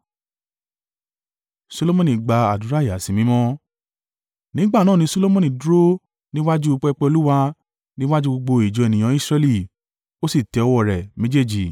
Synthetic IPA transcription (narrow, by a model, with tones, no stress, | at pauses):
so˧lo˦mɔ̃˦˨nĩ˨ɡ͡ba˨a̰˨du˨ɾa˦˨ja˨si˨mĩ˨˦mɔ̃˦ | nĩ˨˦ɡ͡ba˦˨nãː˦˨nĩ˧˦so˦lo˦mɔ̃˦˨nĩ˨du˦ɾo˦ | nĩ˦wa˦d͡ʒu˦o˧k͡pɛ˧˦˧k͡pɛ˧o˧lu˦wa˧ | nĩ˦wa˦d͡ʒu˦ɡ͡bo˧ɡ͡bo˧i˨d͡ʒɔ˨˧ɛ˨nĩ˨j̃ã˨˦i˦sɾɛ˧li˦˧ | o˦si˦˨tɛ˧ɔ˧wɔ˦˨ɾɛ˨mĩ˨˦d͡ʒe˦˨d͡ʒi˨